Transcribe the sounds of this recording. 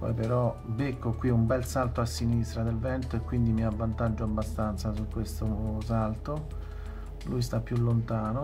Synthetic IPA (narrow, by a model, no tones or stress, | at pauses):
pɔ̰jpeɾɔ | bekːokwiumbɛlsalt̪oasːinist̪ɾad̪elvɛnt̪oekːwind̪imiavːant̪ad͡ʒːoabːast̪ant̪sasukːwest̪osalt̪o | lujst̪apːjulːont̪aːno